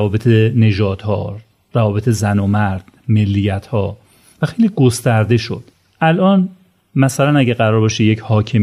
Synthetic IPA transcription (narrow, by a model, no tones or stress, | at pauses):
ɒːbe̞t̪ʰene̞ʒɒːd̪̥hɒ̰ː | ɾævɒːbe̞t̪ʰe̞zænomæɾd̪̥ | me̞lːijæt̪ʰhɒː | væxejliːɡo̞st̪æɾd̪e̞ʃo̰d̪̥ | ʔælʔɒːn | mæsælænæɟæɣæɾɒːɾbɒʃejecʰhɒːcʰem